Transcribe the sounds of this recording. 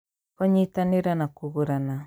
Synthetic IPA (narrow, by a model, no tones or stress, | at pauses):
kɔɲitaneɾanakuɣuɾana